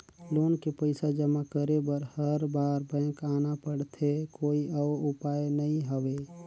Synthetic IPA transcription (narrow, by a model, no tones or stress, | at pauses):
loːnkepəɪsad͡ʒəmakəɾebəɾhəɾbaːɾbɛ̃ːkaːnapəɽt̪ʰekoːiʔɔːʊpaːjnəĩɦəʋe